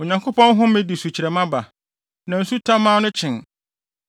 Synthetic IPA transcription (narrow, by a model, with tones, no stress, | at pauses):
o˨ɲã˨ŋkʰo˦pʰɔ̃˦nɦʊ̃˦mɪ̃˦di˨su˨t͡ɕʰi˨ɾɛ˨mã˦ba˨ | nã˨n̩˦su˦tʰã˦mãː˦nʊ̃˦t͡ɕʰɪ̃˨n